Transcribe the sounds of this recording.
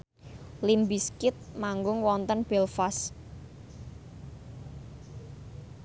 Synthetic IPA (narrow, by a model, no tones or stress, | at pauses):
limbiskɪt̪̚maŋɡʊŋwɔnt̪ənb̥ɛlfas